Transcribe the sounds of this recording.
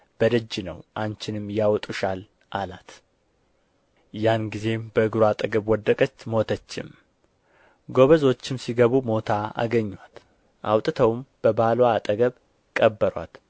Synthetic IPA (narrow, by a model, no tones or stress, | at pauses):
b̥əd̪əd͡ʒːɪnəwʔant͡ʃɪnɨmjawɔt̪ʼuʃal | ʔalat̪ | janɡize̞mbəɨɡɾuat̪ʼəɡəβwɔd̪ːəkʼət͡ʃːmo̞t̪ʰət͡ʃːɪ̰m | ɡo̞βəzo̞t͡ʃːɪmsiɡəβumo̞t̪ʰaa̰ɡəɲːwat̪ | ʔa̰wt̪ʼɨt̪ʰəwmb̥əbalwat̪ʼəɡəβ | kʼəbːəɾwa̰t̪